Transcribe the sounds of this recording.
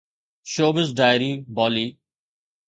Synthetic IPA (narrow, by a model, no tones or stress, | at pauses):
ʃoːbəzɖaːjɾiːbɔːliː